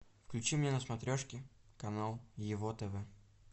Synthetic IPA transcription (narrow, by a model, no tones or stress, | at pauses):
fklʲʉt͡ɕimnʲenəsmɐt̪ɾʲoʂkʲɪ | kɐnalˠjɪvot̪ɛvɛ